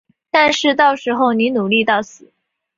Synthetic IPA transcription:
t̪a˥˧nʂɻ̩˥˧t̪ɑ˥˩ʊʂɻ̩˧˥xo˥˧ʊni˧˥nu˨˩li˥˧t̪ɑ˥˩ʊsɹ̩˨˩˦

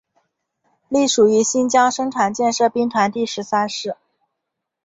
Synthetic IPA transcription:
li˥˩ʂu˨˩y˧˥ɕi˥nt͡ɕjɑ˥ŋʂɤ˥ŋʈ͡ʂʰa˨˩nt͡ɕjɛ˥˧nʂɤ˥˧pi˥ŋt̪ʰa˧˥nt̪i˥˩ʂɻ̩˧˥sa˥nʂɻ̩˥˩

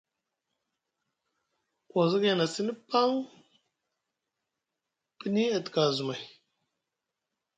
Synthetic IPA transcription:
wa˨zi˦ɡe˦˨na˨si˦ni˦pa˦ŋ | pi˦ni˦a˨tka˨zu˨ma˨

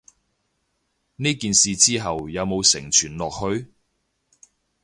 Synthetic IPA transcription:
niː˥kiː˨nsiː˨t͡siː˥ɦɐ˨wjɐ˨˧wmo˨˧wsɪ˨˩ŋt͡ʃʰyː˨˩nlɔː˨k̚hɵ˧ɥ

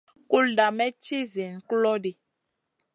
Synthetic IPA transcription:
ku˦lda˨mɛ˦t͡ʃi˦zi˨n˨klɔ˦di˨

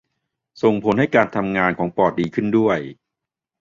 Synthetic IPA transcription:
so˨˩ŋpʰo˩˦nha˥˩jkaː˧nt̪ʰa˧mŋaː˧nkʰɔː˩˦ŋpɔː˨˩t̪̚diː˧kʰɯ˥˩ndu˥˩əj

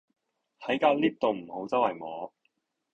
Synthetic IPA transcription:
hɐ˨˥jkaː˧w̚liː˥p̚t̪o˨˧wm̩˨˩ho˨˥wt͡sɐ˥whɐ˨˩jmɔː˨˥

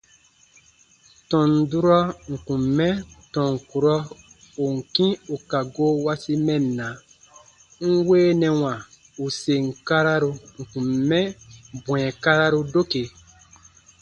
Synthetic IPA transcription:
tɔ̃˨n̩˨du˦ɾɔ˦ŋ̩˨kũ˨mːɛ̃˦tɔ̃˨ŋ̩˨ku˨ɾɔ˦ | u˨ŋ̩˨kĩ˦u˨ka˨ɡo˦wa˦si˦mɛ̃˦n̩ː˨ã˨ | ŋ̩˦weː˦nɛ̃˨wã˨ | u˨se˨ŋ̩˨ka˦ɾa˦ɾu˧ŋ̩˨kũ˨mːɛ̃˦bw̃ɛ̃˨ka˦ɾa˦ɾu˦do˦ke˨

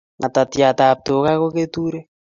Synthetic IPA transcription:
ŋʔa̰˨ta˨tja˨t̪a˨p̚to˨ka˦ko˦ke˦tu˦ɾe˦

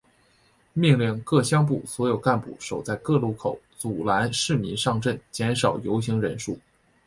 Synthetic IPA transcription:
mi˥˧ŋli˥˩nkɤ˥˩ɕjɑ˥ŋp̬u˥˩swɔ˧˥jo˨˩ʊka˥˧npṵ˥˩ʂo˨˩ʊt͡sa˥˧ɪkɤ˥˧lu˥˩kʰo˨˩˦ʊt͡su˨˩la˧˥nʂɻ̩˥˩mḭ˧˥ʂɑ˥˧ŋʈ͡ʂə˥˩nt͡ɕjɛ˧˥nʂɑ˨˩ʊjo˧˥ʊɕi˧˥ŋɻə̰˧˥nʂu˥˩

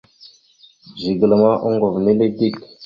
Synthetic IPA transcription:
ʒi˨ɡə˨lə˨ma˦ʔu˦ŋɡo˨vne˦le˦di˦˨k

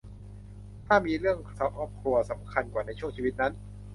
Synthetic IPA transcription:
t̪ʰaː˥˩miː˧ɾɯ˥˩əŋsa˦˥˩wʔɔː˦˥p̚kʰɾu˧ɐsa˩˦mkʰa˧nkwaː˨˩na˧jt͡ɕʰu˥˩əŋt͡ɕʰi˧wi˦˥t̪̚na˦˥n

